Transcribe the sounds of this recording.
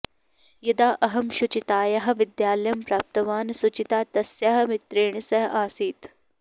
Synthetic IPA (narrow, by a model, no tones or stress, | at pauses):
jɐd̪aːʔɐɦɐmʃʊt͡ʃit̪aːjɐɦɐ̆ʋɪd̪jaːljɐmpɾaːp̚t̪ɐʋaːnsʊt͡ʃit̪aːt̪ɐsjɐɦɐmɪt̪ɾeːɳsɐɦɐʔaːsiːt̪